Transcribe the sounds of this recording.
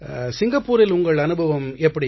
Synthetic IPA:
sɪŋɡɐpːuːɾɪlʊŋɡɐɭɐnɯbʱɐʋɐmɛpːɐɽi

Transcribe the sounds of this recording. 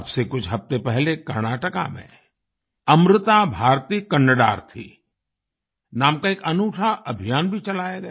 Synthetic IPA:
bsekʊt͡ʃʰɦɐft̪epɛɦlekɐɾñaːʈəka̰mḛ̃ | ɐmɾɪt̪abʱaːɾt̪iːkɐɳːəɖa̰ːɾt̪ʰḭ | naːmkaeːkɐnuːʈʰaʔɐbʱijaːnbʱit͡ʃɐlaːeɡɐeː

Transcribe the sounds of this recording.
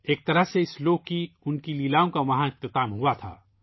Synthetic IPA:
eːk̚t̪ɐɾəɦseɪsloːɡ̚kiʊnkiliːlaːõkaʋɐɦãɪq̚t̪ɪt̪aːmɦuat̪ʰa̰ː

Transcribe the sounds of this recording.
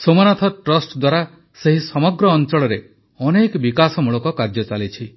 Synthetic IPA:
somanat̪ʰɔʈɾɔsʈd̪waɾa | seɦisɔmɔɡɾɔːnt͡ʃɔɭɔɾe | ɔnekbikasɔmuɭɔkɔkaɾd͡ʒɔt͡ʃalit͡ʃʰi

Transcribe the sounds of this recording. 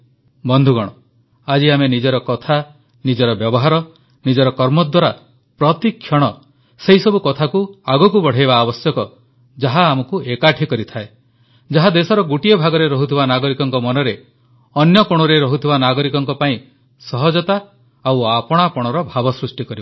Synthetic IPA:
bɔnd̪ʱuɡɔɽ̃ɔ | ad͡ʒiamenid͡ʒɔɾɔkɔt̪ʰa | nid͡ʒɔɾɔbjɔbɔɦaɾɔ | nid͡ʒɔɾɔkɔɾmɔd̪waɾa | pɾɔt̪ikʰːjɔɽ̃ɔ | seɦisɔbukɔt̪ʰakuaɡɔkubɔɽ̤ajbaːbɔsjɔkɔ | d͡ʒaɦaːmɔkuʔekaʈʰikɔɾit̪ʰae | d͡ʒaɦad̪esɔɾɔɡuʈiebʱaɡɔɾeɾɔɦut̪ʰibanaɡɔɾikɔŋkɔmɔnɔɾe | ɔnjɔkoɽ̃ɔɾeɾɔɦut̪ʰibanaɡɔɾikɔŋkɔpaĩ | sɔɦɔd͡ʒɔt̪a | awapɔɽ̃apɔɽ̃ɔɾɔbʱabɔsɾusʈikɔɾibɔ

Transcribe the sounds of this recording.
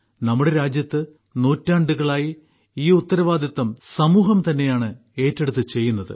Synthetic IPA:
nɐmːuɽe̞ɾaːd͡ʑjɐt̪ːɨ | nuːtːaːɳɖuɣɐɭaːji | iːut̪ːɐɾɐʋaːd̪jɐt̪ːɐmsɐmuːɦɐmt̪ɐnːe̞jaːɳɨ | e̞ːtːe̞ɽut̪̬ːɨt͡ɕe̞jːunːɐðɨ̰

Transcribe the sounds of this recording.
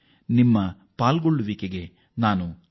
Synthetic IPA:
nimːɐ | paːlɡoɭːuʋikeɡe | naːnu

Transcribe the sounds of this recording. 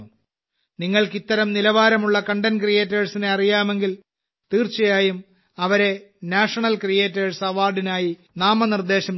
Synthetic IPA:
u | niŋːɐɭkit̪ːɐɾɐmnilɐʋaːɾɐmuɭːɐkɐɳɖɐnkrije̞ːtːeːɻsineɐrijaːme̞ŋɡil | t̪iːrt͡ɕɐjaːjum | ɐʋɐɾe̞naːʂɐɳɐlkrijeːtːeːɻsɐʋaːrɖinaːji | naːmɐnird̪e̞ːɕɐm

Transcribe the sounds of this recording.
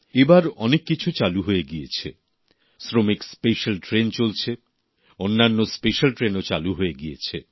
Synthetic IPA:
ebaɾɔnekːit͡ɕʰut͡ɕaluɦojeɡijet͡ɕʰḛ | sɾomikspeʃalʈɾent͡ɕolt͡ɕʰe | onːanːospeʃalʈɾenot͡ɕaluɦoeɡijet͡ɕʰe

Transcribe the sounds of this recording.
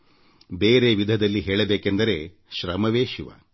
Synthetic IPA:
beːɾeːʋid̪ʱɐd̪ɐlːiɦeːɭɐbeːkend̪ɐɾe̞ː | ʃɾɐmɐʋeːʃiʋa̰

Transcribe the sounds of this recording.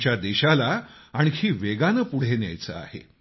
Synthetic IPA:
t͡ɕjad̪eɕalaaɽ̃ihiːʋeɡanəpuɽ̤enja̰jt͡sə̰a̰hḛ

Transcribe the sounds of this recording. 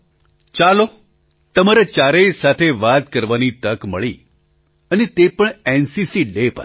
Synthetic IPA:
t͡ʃalo | t̪əmaɾat͡ʃaɾesat̪ʰeʋat̪kəɾʋanit̪əkmə̰ɭi | ənet̪epəɳensisiɖepə̰ɾ

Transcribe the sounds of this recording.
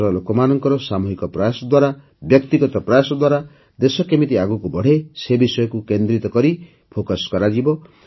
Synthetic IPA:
ɾɔlokɔmanɔŋkɔɾɔsamuɦikɔpɾɔjasɔd̪waɾa | bjɔkt̪iɡɔt̪ɔpɾɔjasɔd̪waɾa | d̪esɔkemit̪iaɡukubɔɽ̤esebisɔjɔkukend̪ɾit̪ɔkɔɾi | pʰokaskɔɾad͡ʒibɔ

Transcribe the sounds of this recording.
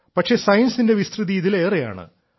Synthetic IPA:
pɐʂe̞sɐjɐnsinde̞ʋist̪rɨðiːðile̞ːreja̰ːɳɨ̰

